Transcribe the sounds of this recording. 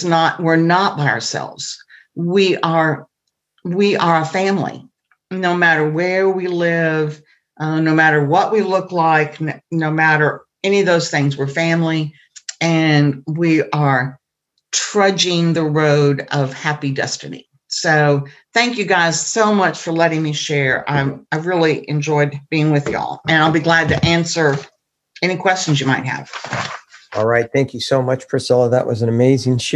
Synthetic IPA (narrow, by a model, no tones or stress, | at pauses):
nət̚wɪɹnət̚b̥aɪə̰˞sɛ̰lˠvz̥ | wiʔə˞ | wiʔə˞əfæ̃mlḭ | noʊmæɾə˞wə˞wilɪv | ʔnoʊmæɾə˞wʌʔwilʊklaɪknnoʊmæɾə˞ | ɛniʌvðoʊz̥θɪ̃ŋzwə˞fæ̃mli | ɨ̃nwiʔə˞ | tʰɹ̥ʌd͡ʒɪ̃ŋðɨɹoʊɾʌv̥hæpidɛ̰stɨ̰nḭ | soʊθæ̃ŋkjɨɡaɪz̥soʊmʌt͡ʃfə˞lɛɾɪ̃ŋmiʃɛɹa̰ɪaɪvɹɪlˠiʔɨ̃nd͡ʒɔɪd̚b̥iɪ̃ŋwɨðjɔ̰lˠɨ̃ñaɪlˠbiɡlæd̚tɨʔæ̃nsə˞ | ɛñikʰw̥ɛst͡ʃn̩zjɨmaɪt̚ɦɨ̰v̥ | ɔlˠɹaɪt̪̚θæ̃ŋkʰjɨsoʊmʌt͡ʃpʰɹ̥ɨsɪlˠəðəʔwʌznɨmeɪzɪ̃ŋʃ